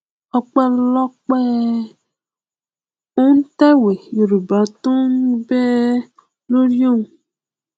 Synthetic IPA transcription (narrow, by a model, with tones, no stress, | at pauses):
ɔ˦k͡pɛ˦lɔ˦k͡pɛ˦ | o˦n̩˦t̪ɛ˦we˨i˨ɾu˨ba˨t̪ũ˦n˦be˦ | lo˦ɾjo˦˨